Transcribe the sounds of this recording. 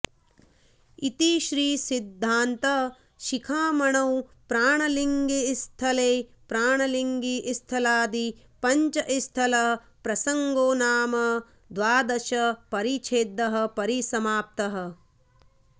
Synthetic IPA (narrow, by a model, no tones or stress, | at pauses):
it̪iʃɾiːsid̪ʱːaːnt̪ɐ | ʃikʰaːmɐɳɐwpɾaːɳɐliŋɡist̪ʰɐleː | pɾaːɳɐliŋɡiʔist̪ʰɐlaːd̪i | pɐɲt͡ʃɐʔist̪ʰɐlɐ | pɾɐsɐŋɡoːnaːmɐ | d̪ʋaːd̪ɐʃɐpɐɾit͡ʃʰeːd̪ːɐɦɐ̆pɐɾisɐmaːp̚t̪ɐɦɐ̆